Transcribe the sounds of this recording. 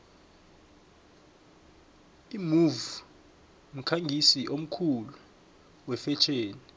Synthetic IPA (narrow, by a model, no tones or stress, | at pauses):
imuvu | m̩kʰaŋɡʱisiʔom̩kʰulu | wɛfɛt͡ʃʰeːni